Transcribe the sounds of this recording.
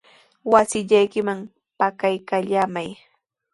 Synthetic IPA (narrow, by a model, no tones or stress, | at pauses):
wasɪʎajkɪmaŋ | pakajkaʎaːmaj